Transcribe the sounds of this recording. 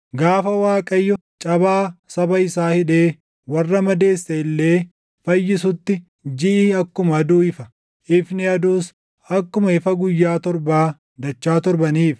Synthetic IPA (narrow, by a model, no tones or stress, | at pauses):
ɡaːfɐwaːkʼɐjːɔ | t͡ʃʼɐbaːsɐbɐɪsaːhɪᶑe̞ː | wɐrːɐmɐd̪e̞ːsːɛɪlːeː | fɐjːɪsʊt̪ːɪ | d͡ʒɪʔɪːɐkːʊmɐɐd̪uːɪfɐ | ʔɪfnɪɐd̪uːs | ɐkːʊmɐɪfɐɡʊjːaːt̪ɔɾbaː | d̪ɐt͡ʃːaːt̪ɔɾbɐniːf